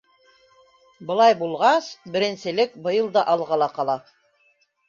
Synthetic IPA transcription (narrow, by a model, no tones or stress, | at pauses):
bɤ̆lˠɑjbulˠʁɑsbɘ̆ɾɘ̆nsɘ̆lɘk̚bɤ̆jɤlˠd̪ɑʔɑlˠʁɑlˠɑqɑlˠɑ